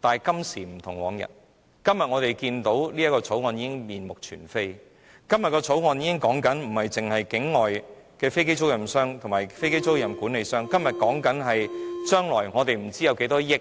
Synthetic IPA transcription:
t̪aː˨˩kɐ˥msiː˨˩m̩˨˩t̪ʰʊ˨˩ŋwɔː˨˥ŋjɐ̰˨˩t̚ | kɐ˥mjɐ˨t̚ŋɔː˨˧t̪e˨jkiː˧nt̪o˨˥wliː˥jɐ˥tkɔː˧t͡sʰo˨˥wŋɔː˧niː˨˧˥kɪ˥ŋmiː˨nmʊ˨k̚t͡ʃʰyː˨˩nfe˥j | kɐ˥mjɐ˨t̚kɔː˧t͡sʰo˨˥wŋɔː˨˧njiː˨˧˥ɪ˥ŋkɔː˨˥ŋkɐ˨˥nm̩˨˩hɐ˨jt͡sɪ˨ŋhɐ˨jkɪ˨˥ŋːɔː˨j | kɛː˧fe˥jke˥jt͡sʰʊ˥wjɐ˨˩msœː˥ŋt̪ʰŋmaː˨˩jfe˥jke˥jt͡sʰo˥wjɐ˨˩mkuː˨˥ne˨˧jsœː˥ŋkɐ˥mjɐ˨t̚kɔː˨˥ŋkɐ˨˥nɦɐ˨jt͡ʃœː˥ŋlɔː˨˩jŋɔː˨˧t̪e˨jm̩˨˩t͡siː˥jɐ˨˧wke˨˥jt̪ɔː˥jɪ˥k

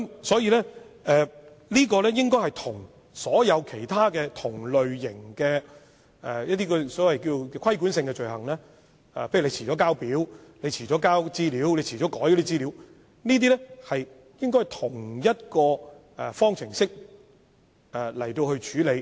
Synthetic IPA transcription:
kmsɔː˨˥jiː˧lɛː˥ɛː˨ | liː˥kɔː˧lɛː˥jɪ˥ŋkɔː˥jhɐ˨jt̪ʰʊ˨˩ŋ | sɔː˨˥jɐ˨˧wkʰe˨˩jt̪ʰaː˥kɛː˧t̪ʰʊ˨˩ŋlɵ˨ɥjɪ˨˩ŋkɛː˧ | ɛ̰˨jɐ˥t̪̬̚iː˥kɔ˧sɔː˨˥wɐ˨jkiː˧t͡ʃo˨˧wkɛ˧kʰɐ˥jku˨˥nsɪ˧ŋkɛ˧t͡ʃɵ˨ɥhɐ˨˩ŋlɛː˥ | ɛ̰˨pʰjy˨le˨˧jt͡ɕʰiː˨˩ɔː˨˥kaː˥wpiː˨˥wle˧jt͡ɕʰiː˨˩t͡ʃɔː˨˥kaː˥wt͡siː˥liː˨˥wle˨˧jt͡ɕʰiː˨˩ɔː˨˥kɔː˨˥jkɔ˧˥t̪iː˥t͡siː˥li˨˥w | niː˥t̪̬iː˥lɛ˥hɐ˨j | jɪ˥ŋkɔ˥jht̪ʰʊ˨˩ŋjɐ˥t̚kɔː˧ | ɛ˨˩fɔː˥ŋt͡sʰɪ˨˩ŋsɪ˥k̚ | ɛ˨lɐ̰˨˩jt̪o˧whɵ˧ɥt͡ʃʰyː˨˥le˨˧j

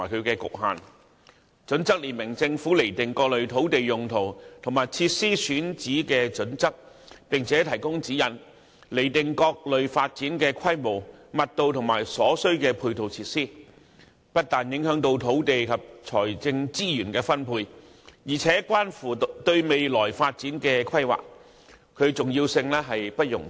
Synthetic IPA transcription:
aː˨˩jkʰɵ˨˧ɥkɛː˧kʊ̰˨k̚ɦa̰ː˨n | t͡sɵ˨˧˥nt͡sɐ˥k̚liː˨˩nmɪ˨˩ŋt͡sɪ˧ŋfuː˨˥le˨˩jt̪ɪ˨ŋkɔː˧k̚lɵ˨ɥt̪ʰo˨˥wt̪e˨jjʊ˨˩ŋt̪ʰo˨˩wt̪ʰʊ˨˩ŋmaː˨jt͡sʰiː˧t̚siː˥syː˨˥nt͡siː˨˥kɛː˧t͡sɵ˨˥nt͡sɐ˥k̚ | pɪ˨ŋt͡sʰɛː˨˥t̪ʰɐ˨˩jkʊ˥ŋt͡siː˨˥jɐ˨n | le˨˩jt̪ɪ˨ŋkɔː˧k̚lɵ˨ɥfaː˧t̚t͡siː˨˥nkɛː˧kʷʰɐ˥jmo˨˩wmɐ˨t̚t̪o˧wt̪ʰʊ˨˩ŋma̰ː˨˩jsɔː˨˥sɵ˥ɥkɛː˧pʰuː˧jt̪ʰo˨˧wt͡sʰiː˧˥t̚siː˥ | pɐ˥t̚t̪aː˨˩njɪ˨˥ŋhœː˨˥ŋt̪̬o˧wt̪ʰo˨˥wt̪e˨jkʰɐ˨p̚t͡sʰɔː˨˩jt͡sɪ˧ŋt͡siː˥jyː˨˩nkɛː˧fɐ˥npʰuː˧j | jiː˨˩t͡sʰɛː˨˥kʷwaː˥nfuː˨˩t̪ɵ˧ɥme˨jlɔː˨˩jfaː˧t̚t͡siː˨˥nkɛː˧kʰɐ˥jwa̰ː˨k̚ | kʰːɵ˨˧ɥt͡sʊ˨ŋjiː˧wsɪ˧ŋlɛː˥ɦɐ˨jpɐ˥t̚jʊ̰˨˩ŋ

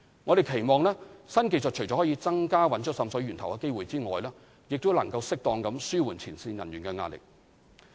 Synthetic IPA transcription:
ŋɔː˨˧ɾe˨jkʰe˨˩jmɔː˨˧ŋlɛː˥sɐ˥nke˧jsɔ˨t̚t͡ʃʰɵ˨˩jɔː˨˥hːt͡siː˧t͡sɐ˥ŋkaː˥wɐ˨˥nt͡ʃʰt̚sɐ˨˧msɔ˨˥jɥyː˨˩nt̪ʰɐ˨˩wkɛ˧ke˥jwuː˨jt͡siː˥ŋɔː˨jlɛː˥ | jɪ˨k̚t̪o˥wlɐ˨˩ŋkɐ˧wsɪ˥k̚t̪ɔː˧ŋkɐ˨˧˥msyː˥wuː˨˩nt͡sʰiː˨˩nsiː˧njɐ˨˩njyː˨˩nkɛ˧ŋaː˧lɪ̰˨k̚

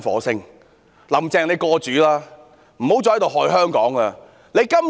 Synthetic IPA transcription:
nfɔ̰ː˨˥sɪ˥ŋ | lɐ˨˩mt͡sɛː˧˩ŋle˨˧jkɔː˧t͡ʃyː˨˧˥laː˥ | m̩˨˩ho˨˥wt͡ɕɔː˨˧˨jt̪o˨wɦɔː˧jɦœː˥ŋkɔː˨˥ŋɐː˧ | ne˨˧jkɐ˥m

